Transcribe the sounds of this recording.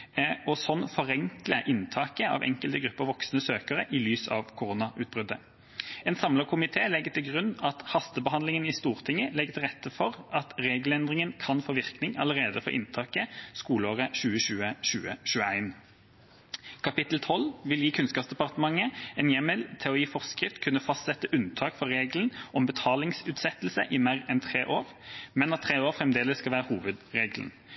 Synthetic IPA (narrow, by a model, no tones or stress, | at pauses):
ɔsɔnːfɔʁɛŋkləʔɪnt̪ʰɑːkəɑ̰ːʋʔɛ̰ŋkəlt̪əɡʁʉpːəʁʋɔksnəsøːkəʁəʔɪlyːsɑ̰ʋkʰʊʁuːnɑʔʉːt̪̚bʁʏd̪ə | ɛːnsɑmləkʰʊmɪt̪ʰeːlɛɡːət̪ʰɪlɡʁʉnːɑt̪hɑst̪əbəɦɑnd̪lɪŋənɪst̪uːʁt̪ʰɪŋːəlɛɡːət̪ʰɪlʁɛt̪ːəfɔʁʔɑt̪ʁeːɡlɛnd̪ʁɪŋənkʰɑnfoːʋɪʁknɪŋɑləʁeːd̪əfɔ̰ʁʔɪ̰nt̪ʰɑːkəskuːləoːʁəɕʉːəʃʉːəʃʉːəʃʉːəæɪn | kʰɑpɪt̪l̩t̪ʰɔlʋɪljiːkʰʉnskɑpsd̪ɛpɑʁt̪əmɑŋəɛnjɛməlt̪ʰɛɔiːfɔʁskʁɪft̪kʰʉnːəfɑst̪sɛt̪ːəʔʉnt̪ʰɑːkfɔʁʁeːɡlnʔɔmbət̪ʰɑːlɪŋsʉːt̪sɛt̪l̩səʔɪmæʁɛnt̪ʰʁeːʔoːʁ | mɛnɑt̪ʰːʁeːoːʁfʁɛmd̪eːləsːkɑlʋæːʁəhuːʋəd̪ʁeːɡln̩